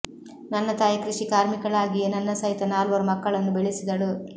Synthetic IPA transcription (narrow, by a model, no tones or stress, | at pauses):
nɐnːɐt̪aːjɐkɾiʂikaːɾmikɐɭaːɡijenɐnːɐsɐɦit̪ɐnaːlʋɐɾumɐkːɐɭɐnːubeɭisid̪ɐɭu